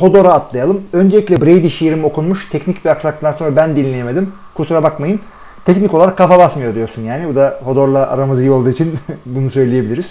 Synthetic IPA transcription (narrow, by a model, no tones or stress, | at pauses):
ho̞d̪o̞ɾaːt̪lˠajalˠɯmø̞nd͡ʒelʲiclʲɛbɾejd̪iʃijɾimo̞kʰunmuʃt̪ʰɛcnicviaksak̚t̪ʰːanso̞nɾabænd̪inlʲejemed̪im | kʰusuɾabakmajɯn | t̪ʰɛcnicʰolˠaɾakːafabasmɯjod̪ijo̞ɾsunjaːnibud̪aho̞d̪o̞ɾlˠaʔa̰ɾamɯzɯjɯo̞lˠd̪uːit͡ʃʰinbunusø̞jlʲijebilʲiɾiz̥